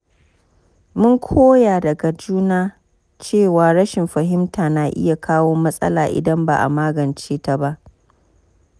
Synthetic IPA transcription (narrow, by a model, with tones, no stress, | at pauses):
mʊ˦ŋkʷʰoː˦jaː˨dɐ˨ɡa˨d͡ʒuː˦naː˦ | t͡ʃeː˦˨waː˨ɽɐ˦ʃɪ˨mɸɐ˨ɦɪ˦mtʰaː˨naː˨ʔɪ̰˦ja˨kʰaː˦woː˦mɐ˦sʼɐ̰˦laː˨ʔɪ̰˨dɐ˦mba̰˨ʔa̰˨maː˦ɡɐ˨nt͡ʃeː˦ta˦ba˦ʔ